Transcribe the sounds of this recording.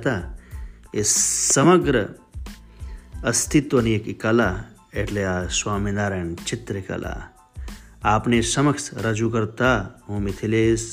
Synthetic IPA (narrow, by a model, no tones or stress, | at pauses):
t̪a | essɐməɡɾə | ɐst̪ʰit̪ːoniekikala | eʈʰleaswaːminaːɾɐnt͡ʃʰit̪ɾikɐ̰la̰ | aːpnesɐməksɾɐd͡ʒukɐɾt̪aɦũmit̪ʰileːs